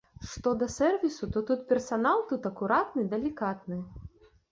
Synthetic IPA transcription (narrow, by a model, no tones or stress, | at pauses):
ʂt̪ɔd̪ɐsɛrvʲisut̪ɔt̪ut̪̚pʲɛrsanalˠt̪ut̪ɐkuɾat̪nɨd̪ɐlʲikat̪nɨ